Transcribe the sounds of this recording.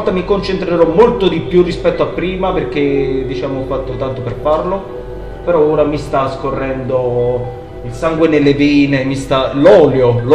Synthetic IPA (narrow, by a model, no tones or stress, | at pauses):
lt̪ːamikont͡ʃent̪ɾeɾɔmːolt̪od̪ipjurːispɛt̪ːoapːɾiːmaperk̟ed̪ːit͡ʃaːmoːfːat̪ːot̪ant̪operfarlo | peɾɔoːɾamist̪askorːɛnd̪o | ilsaŋɡwenelːeviːnemist̪alɔːljol